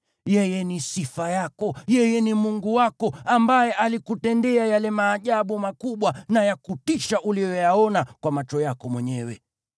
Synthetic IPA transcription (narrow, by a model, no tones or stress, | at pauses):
jɛjɛnisifajakɔjɛjɛnimuŋɡuwakɔambajɛʔalikutɛndɛajalɛmaːʄaɓumakuɓwanajakutiʃaʔulijɔjaɔnakwamat͡ʃɔjakɔmwɛɲɛwɛ̰